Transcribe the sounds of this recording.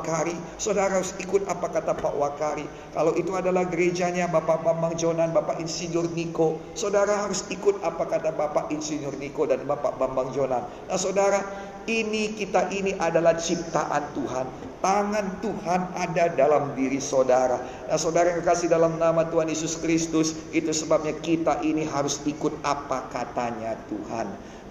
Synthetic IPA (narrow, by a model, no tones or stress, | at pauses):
kaɾi | sodaɾaɦaɾusikʊt̪apakat̪apa̰ʔwakaɾi | kalawit̪uadalahɡəɾed͡ʒaɲabapaʔbambaŋd͡ʒonanbapaʔinsiɲʊrniko | sodaɾaɦaɾʊsikʊt̪̚apakat̪abapaʔinsiɲʊrnikodanbapa̰bambaŋd͡ʒonanːahsodaɾa | inikit̪aʔiniʔadalaht͡ʃip̚t̪a̰ʔa̰nt̪uɦan | t̪aŋant̪uhanadadalamdiɾisodaɾa | nahsodaɾaaŋəkasihdalamnamat̪uɦanjesʊskɾist̪ʊsit̪usəbap̚ɲakit̪aʔiniɦaɾʊsikʊt̪̚apakat̪aɲat̪ṵha̰n